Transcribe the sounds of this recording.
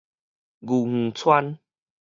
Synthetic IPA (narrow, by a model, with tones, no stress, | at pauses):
ɡu˨˩ŋ̥̩˨˩t͡sʰwa˦n